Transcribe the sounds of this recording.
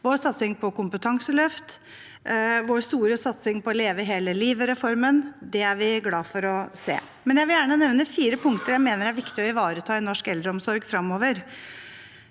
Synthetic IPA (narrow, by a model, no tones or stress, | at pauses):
ʋoːɾsɑt̪sɪŋpʰɔkʊmpət̪ʰɑŋsəlœft̪ | ʋoːɾst̪uːɾəsɑt̪sɪŋpɔleːʋəɪɦeːləliːʋəɾɛfɔɾmənd̪ɛæɾʋɪɡlɑːfɔɾɔsḛː | mɛnjæɪʋɪljæːɳənɛʋnəfiːɾəpʰʊŋkt̪əɾjæɪmeːnəɾæɾʋɪkt̪ɪɔɪʋɑːɾət̪ʰɑːɪnɔʂkɛld̪ɾəɔmsɔɾɡfɾɑmːoːʋəɾ